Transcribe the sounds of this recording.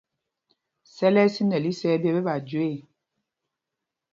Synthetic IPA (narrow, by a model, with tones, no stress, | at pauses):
sɛ˦lɛ˦si˦nə˨li˦sɛ˦bjɛ˦bɛ˦ba˨d͡ʒwe˦˨